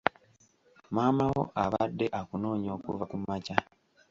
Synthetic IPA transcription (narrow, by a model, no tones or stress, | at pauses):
maːmawo̞̰ʔaβadːe̞ʔakuno̞ːɲo̞ːkṵvakumaca